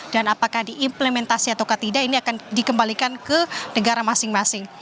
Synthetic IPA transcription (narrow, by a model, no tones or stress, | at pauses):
d̥anapakahdiʔːmplemɛnt̪asiat̪awkat̪idainiakandikəmbalikankənəɡaɾamasɪŋmasɪŋ